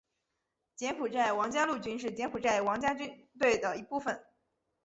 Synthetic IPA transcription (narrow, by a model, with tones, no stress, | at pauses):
t͡ɕjɛ˧˥npʰu˨˩ʈ͡ʂa˥˩ɪwɑ˧˥ŋt͡ɕja˥lu˥˩t͡ɕy˥nʂ̬ɻ̩˥˩t͡ɕjɛ˧˥npʰu˨˩ʈ͡ʂa˥˩ɪwɑ˧˥ŋt͡ɕja˥t͡ɕy˥nt̪we˥˩ɪd̪ə˩i˧˥pu˥˩fə˨˩˦n